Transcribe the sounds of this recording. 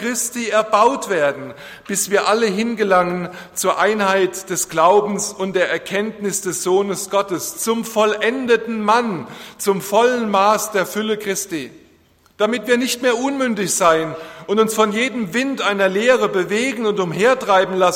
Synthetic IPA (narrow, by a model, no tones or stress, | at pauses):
kʁ̥ɪstiːɛɐbaʊtv̥eːɐdn̩ | b̥ɪsv̥iːɐʔaləɦɪnɡəlaŋən | t͡suːɐʔaɪnhaɪtd̥ɛsɡ̥laʊbm̩sʊnt̚d̥eːɐɛɐkʰɛntnɪsd̥ɛsz̥oːnəsɡ̥ɔtəst͡sʊmfɔlʔɛndətn̩mant͡sʊmfɔlənmaːsd̥eːɐfʏləkʁ̥ɪstiː | d̥amɪtv̥iːɐnɪçtmeːɐʔʊnmʏndɪçz̥aɪənʔʊntʊnsfɔnjeːdəmvɪntʔaɪnɐleːʁ̞əbəveːɡŋ̩ʊntʊmɦeːɐtʁ̥aɪbm̩las